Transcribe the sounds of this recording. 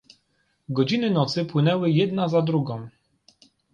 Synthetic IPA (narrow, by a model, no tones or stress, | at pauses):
ɡɔd͡ʑinɘnɔt̪sɘpwɘnɛwɘjɛd̪nazad̪ɾuɡɔ̃w̃